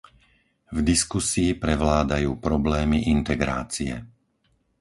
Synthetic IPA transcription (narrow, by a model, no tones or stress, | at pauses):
vd̪iskusiːpɾɛʋlaːd̪ajuːpɾɔblɛːmiʔint̪ɛɡɾa̰ːt͡siɛ̰